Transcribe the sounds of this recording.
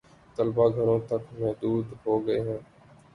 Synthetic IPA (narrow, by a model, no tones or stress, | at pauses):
t̪əlbaːɡʱəɾõːt̪əkmɛɦd̪uːd̪ɦoːɡəeːɦɛ̃ː